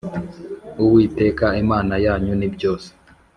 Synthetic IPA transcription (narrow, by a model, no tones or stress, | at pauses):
uwiːte̞ːkaimaːnajaːɲunibjo̞ːse̥